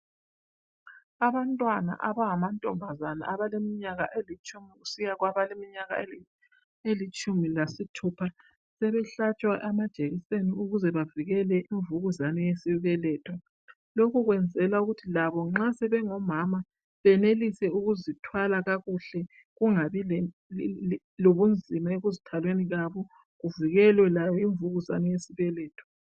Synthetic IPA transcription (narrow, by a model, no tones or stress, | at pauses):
aβantʼwana̰ʔaβaŋamantʼɔmbʱazana̰ʔaβalemiɲaɣa̰ʔelit͡ʃʼumiɣusijaɣwaβalemiɲaɣa̰e | elit͡ʃʼumilasitʰupʰa | sɛβɛɬat͡ʃʼwaʔamad̥ʒ̥ʱʼeɣiseniuɣuzɛβaviɣɛlɛʔiɱvuɣuzanɛjesiβɛlɛːtʰwa | lokʰuɣwɛnd͡zʱɛlauɣutʰilaβɔŋ͡ǁasɛβɛŋɔmama | βɛnelisɛuɣuzitʰwalaɣaɣuɬɛ | ɣuŋaβil | loβund͡zʱimaeɣuzitʰalweniɣaβɔ | ɣuviɣɛlwɛlajɔiɱvuɣuza̰nɛjesiβɛlɛːtʰwḁ